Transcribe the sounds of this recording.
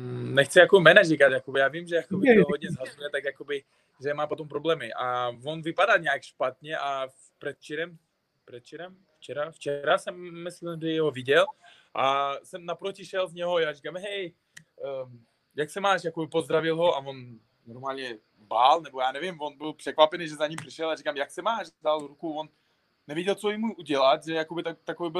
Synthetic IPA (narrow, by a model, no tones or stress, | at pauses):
nɛxt͡sɪjakobmɛːnaʒikat̪jakobɪjaːvimʒɛjakobɪoɦod̪ɲɛzɦazujɛt̪akjakobɪ | ʒɛmaːpo̞t̪ompɾoblɛːmɪʔavonvɪpadalɲɛakʃpat̪̚ɲɛʔa | prɛt̪t͡ʃɛɾɛm | pɾɛt̪t͡ʃɛɾɛm | ft͡ʃɛɾaft͡ʃɛɾasɛmːɪslɪmdɪɦovɪɟɛl | ʔasɛmnapɾocɪʃɛlzɲɛɦojaːrikamɦɛj | jaksɛmaːʃjakobɪpozd̪ɾavɪlɦo̞ʔavon | noɾmaːlɲɛ | balnɛbojaːnɛvɪmvonbɪlpr̥ɛkvapɛnijʒɛzaɲimpr̥ɪʃɛlarikamjaksɛmaːʃdalɾukuvonː | ɛvjɛɟɛlt͡sojimuʔuɟɛlat̪ʒɛjakobɪt̪at̪akovibɪ